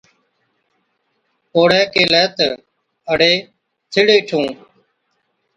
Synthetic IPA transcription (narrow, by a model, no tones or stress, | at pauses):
oːɽɛːkeːlɛːt̪ | əɽeː | t̪ʰɪɽeːʈʰũː